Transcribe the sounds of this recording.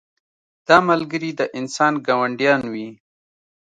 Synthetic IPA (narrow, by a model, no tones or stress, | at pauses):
d̪̥ɑːmalɡəɾid̪əʔɪnsɑːnɡawaɳɖjɑːnwi